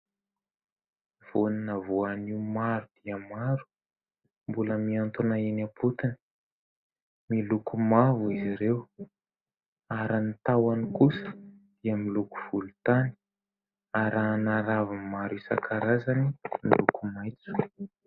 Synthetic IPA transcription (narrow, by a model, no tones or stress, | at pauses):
v̥oninavoaniumaɾud̪̥iəmaɾu̥ | mbuləmiant̪unaenapʰut̪ini̥ | milukumavuiziɾew | aɾanit̪awanikusə̥ | d̪̥iəmiluku̥v̥ulut̪ani̥ | aɾanaɾavimaɾisa̰kʰaɾazanimḭlukumajt͡su̥